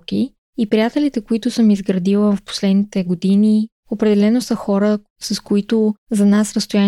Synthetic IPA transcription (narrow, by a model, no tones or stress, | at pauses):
ki | ipɾijat̪ɛlit̪ɛkoit̪ʊsəmizɡɾɐd̪ilˠəfpo̥slɛd̪nit̪ɛɡod̪ini | opɾɛd̪ɛlɛnosəxɔɾə | sɐskoit̪ozɐnasɾəst̪oja